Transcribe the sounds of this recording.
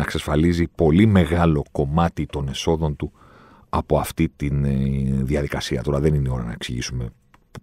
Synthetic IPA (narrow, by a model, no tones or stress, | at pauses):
ɐksɐsfɐlizipo̞lime̞ɣɐlo̞ko̞mɐt̪it̪o̞ne̞so̞ðo̞nt̪u | ɐpo̞ɐft̪it̪inðiɐðikɐsiɐt̪o̞ɾɐðe̞ninio̞ɾɐ̰nɐ̰e̞ksiʝḭsume̞